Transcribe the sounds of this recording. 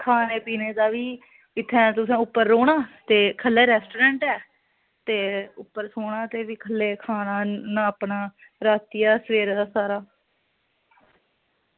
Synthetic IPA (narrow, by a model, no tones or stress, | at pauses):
kʰaːneːpiːneːd̪aːʋiː | ɪt̪ʰːɛ̃ːt̪ʊsãːʊpːəɾːoːɽ̃aːt̪eːkʰəlːɛːɾɛːsʈoːɾɛ̃ːɳʈɛː | t̪eːʊpːəɾsoːɳaːt̪eːʋiːkʰəlːeːkʰaːnaːnaːəpnaː | ɾaːt̪iːaːsʋeːɾeːd̪aːsaːɾaː